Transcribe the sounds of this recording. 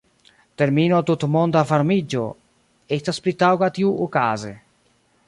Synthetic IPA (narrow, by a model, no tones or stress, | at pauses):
t̪eɾminot̪ut̪mɔnd̪afaɾmid͡ʒo̰ | ɛt̪asplit̪awkat̪iuʔukaːze